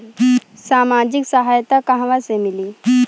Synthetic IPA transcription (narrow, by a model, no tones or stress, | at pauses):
saːmaːd͡ʒɪksəɦajt̪akaɦʋasemɪliː